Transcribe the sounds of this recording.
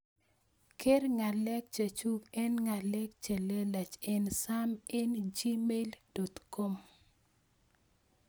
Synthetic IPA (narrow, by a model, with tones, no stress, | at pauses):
ke˦ɾŋa˨lɛ˦k̚t͡ʃa˨t͡ʃu˦kɛ˦nŋa˨lɛ˦k̚t͡ʃe˨le˦la˨t͡ʃɪ˦nsa˦mɪ˦nd͡ʒi˦me˦ld̥o˨t̪ko˦m